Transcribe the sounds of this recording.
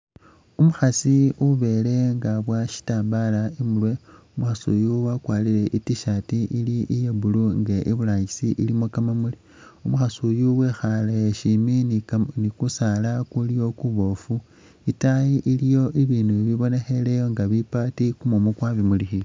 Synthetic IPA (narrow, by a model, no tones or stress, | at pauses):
umuxasiuβe̞le̞ŋɡaβwaʃi̥taːmbalaimulwe̞umuxasṵjuwakwaːlile̞ʔitiʃatiʔiliʔijebuluŋɡeʔiβulaɲisiʔilimokamamuli | umuxasujuwe̞xalajeʃimininikusalakulijo̞kuβo̞fu | itaiʔilijo̞ʔiβiːnuβiβo̞ne̞xe̞lejo̞ŋɡaβipatikumomukwaβimulixi